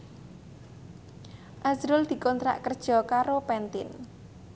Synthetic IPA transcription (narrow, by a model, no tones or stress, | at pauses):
ʔazɾʊld̪̥i̤kɔnt̪ɾa̰ʔkərd̥ʒ̥ɔ̤kaɾopɛnt̪ɪ̰n